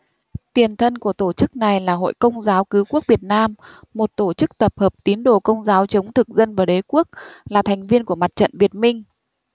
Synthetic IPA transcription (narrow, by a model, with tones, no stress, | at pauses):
t̪i˨˩ənt̪ʰə˧nku˧˩ət̪o˧˩t͡ɕɨ˦˥k̚na˨˩jlaː˨˩ɦo̰˧˨jkə˧wŋ͡mzaː˨˦wkɨ˨˦ku˦˥ək̚vi˨˩ət̚naː˧mː | o˨˩t̚t̪o˧˩t͡ɕɨ˦˥k̚t̪ə˨˩p̚həː˨˩p̚t̪i˨˦nɗo˧˩kə˧wŋ͡mzaː˨˦wt͡ɕə˨˦wŋ͡mt̪ʰɨ˨˩k̚zə˧nvaː˨˩ɗe˨˦ku˦˥ək̚laː˨˩t̪ʰɛ˨˩ŋ̟vi˧ənku˧˩əma˨˩t̚t͡ɕə̰˧˨nvi˨˩ət̚mï˧ŋ̟